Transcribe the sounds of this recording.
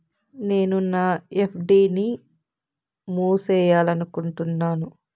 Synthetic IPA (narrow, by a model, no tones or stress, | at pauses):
ne̞ːnunaːepʰɖiːni | muːsɛːjaːlɐnukuɳʈunːaːnu